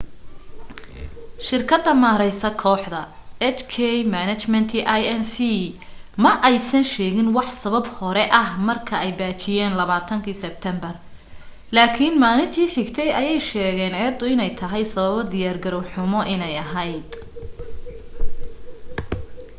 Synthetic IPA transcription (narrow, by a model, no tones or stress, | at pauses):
ʃɪrkʰɐd̪ːɐmaːɾɛjsɐkʰɔːħd̪ɐɛt͡ʃkʰɛjmanɐt͡ʃmɛnt̪ʰiʔajɛnsimɐʔɛjsɐnʃɛːɣɪnwɑħsɐβɐbhɔɾɛʔɐhmɐrkʰɐɛjbaːt͡ʃʰɪjɛːnlɐβaːt̪ʰɐŋkʰiːsɛb̚t̪ʰɛmbɐr | laːkʰinmaːlɪnt̪ʰiːħɪɡt̪ʰɛjɐjɛjʃɛːɣɛːnɛːd̪ʊɪnɛjt̪ʰɐɦɛjsɐβɐβɐd̪ɪjaːrɡɐɾɔwħʊmɔʔɪnɛjɐɦɐjd̪̥